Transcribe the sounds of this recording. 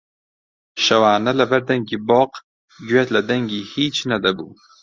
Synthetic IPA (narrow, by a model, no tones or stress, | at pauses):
ʃɐwaːnɐlɐbɐɾd̪ɐŋɡiːbɔːq | ɡɥet̪lɐd̪ɐŋɡiːhiːt͡ʃnɐd̪abṵː